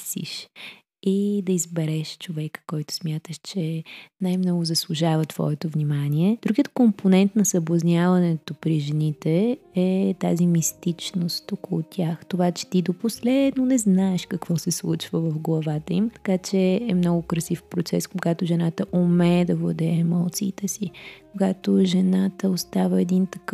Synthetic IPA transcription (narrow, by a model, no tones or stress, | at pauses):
sḭʃ | id̪ɐizbɛɾɛʃt͡ʃovɛkə̥kɔjt̪ʊ̥smʲjat̪əʃt͡ʃɛnajmnɔɡʊzɐslˠuʒavət̪v̥ɔ̰ɛt̪ovnimaniɛd̪ɾuɡijət̪̚komponɛnt̪nɐsɐblˠɐznʲjavɐnɛt̪opɾiʒɛnit̪ɛɛt̪a̰zimist̪it͡ʃnost̪okolˠʊt̪ʲʰjaxt̪ovat͡ʃɛ̥t̪id̪oposlɛd̪nonɛznaɛʃkɐkvɔsɛslˠut͡ʃvəvɐfɡlˠɐvat̪əimt̪ɐ̥kat͡ʃɛɛmnɔɡʊkɾɐsifpɾot̪sɛskoɡat̪ʊʒɛnat̪əʔumɛd̪ɐvlˠɐ̰d̪ɛɛmɔlˠt̪siːt̪ɛsikoɡat̪oʒɛnat̪əost̪avəɛd̪int̪ɐkəf